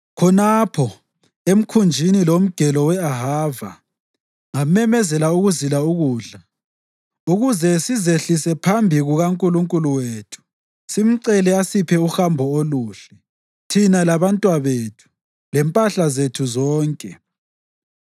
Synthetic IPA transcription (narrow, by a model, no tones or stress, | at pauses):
kʰɔnapʰɔ | em̩kʰund͡ʒʱinilom̩ɡ̥ʱɛlɔwɛaɦaːva̰ | ŋamɛmɛzɛlauɣuzilauɣuːɮa | uɣuzɛsizeɬisɛpʰambʱiɣuɣaŋkʼuluŋkʼuluweːtʰu̥ | sim̩ǀɛlɛasipʰɛuxambʱɔoluːɬɛ | tʰinalaβantʼwaβeːtʰu̥ | lɛmpʼaɬazetʰuzɔːŋkʼɛ